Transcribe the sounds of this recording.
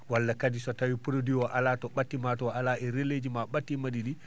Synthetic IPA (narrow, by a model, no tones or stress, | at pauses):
walːakadisɔtawipuɾodiwɔʔalatɔɓatːimatɔalaʔɛɾelːed͡ʒimaɓatːimaɗiɗi